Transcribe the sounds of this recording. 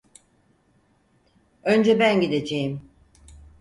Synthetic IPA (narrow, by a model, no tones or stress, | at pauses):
ønd͡ʒɛbænɟid̪ed͡ʒejim